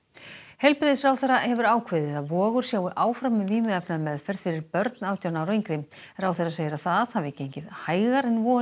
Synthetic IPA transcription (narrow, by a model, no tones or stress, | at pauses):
hɛlpɾɪðsɾawθɛɾahɛvʏɾaːwkʰvɪːðɪθaðvɔːɣʏɾ̥sjaːwɪʔaːwfɾamʏviːmɪðɛpnamɛðfɛɾ̥ð̥fɪɾɪɾpœɾt̪naːwt̪janawɾejŋkɾɪmɛɾawθejɾaseːjɪɾaθað̥havɪɛcːɪejɲcɪðhaːjɣaɾɛnvɔː